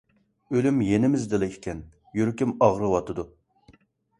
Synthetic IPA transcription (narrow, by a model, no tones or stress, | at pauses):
ølymjenɪmɪzd̪ɨlˠɪkʰʲi̥kʲʰɛn | jyɾkʲimɑʁɾɨwɑt̪ʰɨd̪u